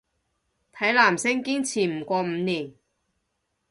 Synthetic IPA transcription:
t̪ʰɐ˨˥jlaː˨˩msɪ˥ŋkiː˥nt͡sʰiː˨˩m̩˨˩kʷɔː˧m̩˨˧niː˨˩n

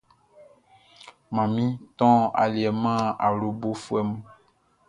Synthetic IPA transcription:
mã˨mĩ˦t̪ɔ̃˦a̰˨li˨ɛ˨mã˦a˨lo˦bo˦fu˦ɛ˦mũ˦

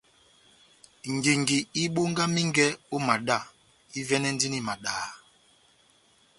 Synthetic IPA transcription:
ŋ̩˨ɡi˨ŋ˨ɡi˨i˦ɓo˦ŋ˦ɡa˦mi˦ŋ˦ɡɛ˦o˦ma˨ɗa˦˨ | i˦vɛ˦nɛ˦n̩˦di˦ni˦˨ma˨ɗaː˨

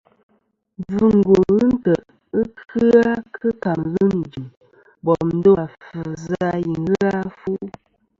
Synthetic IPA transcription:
vɨ˦ŋ̩˨ɡo˨ɣɨ˦n̩˦tə˨ʔ | ə˦kʰɨ˦a˦kʰɨ˦ka˨mɣə˦n˨d͡ʒi˨ | bɔ˨n̩˦do˦a˨fə˨za˦ji˨ŋɣa˦fu˦

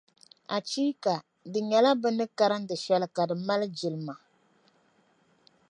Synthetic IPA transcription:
a˨t͡ʃiː˦ka˨ | dɨ˨ɲɛ˨la˦bɨ˦nɨ˦ka˦ɾɨ˦n˦dɨ˨ʃɛ˦lɨ˦ka˨dɨ˨ma˦lɨ˦d͡ʒi˨lɨ˨ma˨

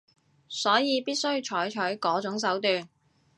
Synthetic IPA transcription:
sɔː˨˥jiː˨˧piː˥t̚sɵ˥ɥt͡ʃʰɔː˨˥jt͡ʃʰœ˨˥jkɔː˨˥t͡ʃʊ˨˥ŋs̬ɐ˨˥wt̪yː˨n

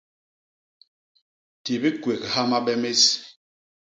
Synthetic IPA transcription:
ti˨bi˦kwe˨kha˦ma˦ɓɛ˦me˦s

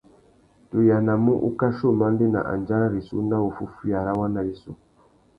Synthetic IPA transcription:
tu˨ja˨na˨mu˦ʔṵ˦ka˦ʃo˦˨ma˦n˦di˦na̰˨ʔa̰˨nd͡ʒa˦ɾa˦ɾi˨su˦na˦u˨fu˦fu˦a˨ɾa˦wa˦na˨i˦sṵ˦

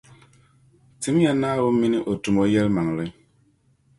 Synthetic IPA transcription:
ti˨˦m˦ja˦naː˦wo˦mi˦ni˦ʔo˨tu˨mo˦jɛ˦lma˨ŋlɨ˦ɲ

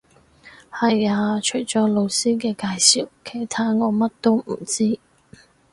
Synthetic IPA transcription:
hɐ˨jaː˨t͡ʃʰɵ˨˩jt͡sɔː˨˥lo˨˧wsiː˥kɛː˧kaː˧jsiː˨wkʰe˨˩jt̪ʰaː˥ŋɔː˨˧mɐ˥t̚t̪o˥wm̩˨˩t͡siː˥

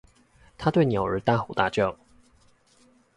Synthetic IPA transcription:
t̪ʰa˥t̪we˥˨ɪnjo˨˩ʊə˨˥t̪a˥˨xu˨˩t̪a˥˧˩t͡ɕjo˥˨˩ʊ

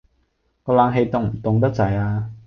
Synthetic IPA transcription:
kɔː˧laː˨˧˥ŋɦe˧jt̪ʊ˧ŋm̩˨˩t̪ʊ˧ŋt̪̬ɐ˥k̚t͡sɐ˨˩˦jaː˧

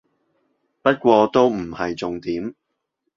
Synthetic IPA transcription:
pɐ˥t̚kʷɔː˧t̪o˥wm̩˨˩hɐ˨jt͡sʊ˨ŋt̪iː˨˥m

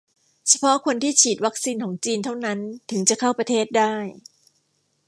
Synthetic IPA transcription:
t͡ɕʰa˧pʰɔ˦˥ʔkʰo˧nt̪ʰiː˥˩t͡ɕʰiː˨˩t̪̚wa˦˥k̚siː˧nkʰɔː˩˦ŋt͡ɕiː˧nt̪ʰa˥˩wna˦˥nt̪ʰɯ˩˦ŋt͡ɕa˨˩kʰa˥˩wpɾa˧t̪ʰeː˥˩t̪̚daː˥˩j

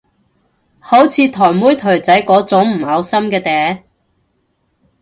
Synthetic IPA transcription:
ho˨˥wt͡sʰiː˨˧t̪ʰɔː˨˩jmuː˥jt̪ʰɵ˨˩ɥt͡sɐ˨˥jkɔː˨˥t͡sʊ˨˥ŋm̩˨˩hɐ˨˧wsɐ˥mkɛː˧t̪ɛː˨˥

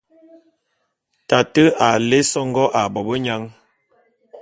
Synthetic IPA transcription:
ta˨tə˦a˨le˦sɔ˦ŋɡɔ˦ʔa˨bɔ˨bə˦ɲa˦ŋ

